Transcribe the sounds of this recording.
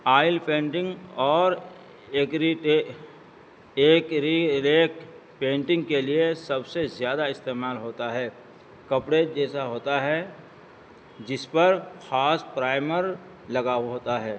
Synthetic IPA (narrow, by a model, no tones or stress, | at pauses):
aːɪlpẽːɳʈɪ̃ŋɡɔːɾ | eːkɾiʈe | eːkɾileːk | pẽːɳʈɪ̃ŋɡkeliesɐbsezjaːd̪aɪst̪eːmaːlɦoːt̪aɦɛː | kɐpɽed͡ʒɛːsaɦoːt̪aɦɛ | d͡ʒɪspɐɾxaːspɾaːɪməɾ | lɐɡaːɦoːt̪aɦɛː